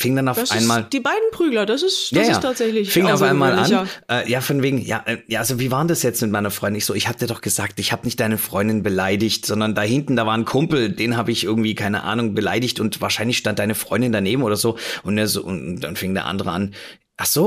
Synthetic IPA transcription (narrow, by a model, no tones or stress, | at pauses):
fɪŋəndanaʊfsʔaɪnmaːld̥iːbaɪdn̩pʁ̥yːɡlɐdasɪsjasjasːtʰaːtz̥ɛçlɪçfɪŋənaʊfaɪnmaːlʔanːʔɛːjaːfɔnveːɡŋ̩ja̰ːʔɛːjaːʔalzoviːvaːʁndasjɛt͡stmɪt̚maɪnɐfʁ̥ɔʏdɪnɪçz̥oːʔɪçhaːbədiːɐdɔχɡ̥əzaːk̚tʔɪçhaːbənɪçtd̥aɪnəfʁ̥ɔʏndɪnbəlaɪdɪçtz̥ɔndɐndaːɦɪntn̩daːvaːʁnkʰʊmpl̩d̥eːnɦaːbəɪçʔɪɐɡŋ̩tv̥iːkʰaɪnə̰ʔa̰ːnʊŋbəla̰ɪdɪçtʊntvaːɐʃaɪnlɪçʃtant̚d̥aɪnəfʁ̥ɔ̰ʏndɪndaneːbm̩ʔoːdɐzoːʔʊntnəzo̰ːʊ̰nnd̥a̰nfɪŋəndḛɐʔa̰ndəʁəʔan | ʔaχz̥oː